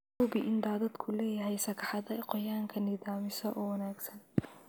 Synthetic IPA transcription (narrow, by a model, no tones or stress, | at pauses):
ubɪʔɪnd̪aːðɐd̪kʰʊlɛːjɐɦɛjsɐkʰɑħɑðɐqɔjaːŋkʰɐnɪðaːmɪsɔʔɔwɐnaːɡsɐn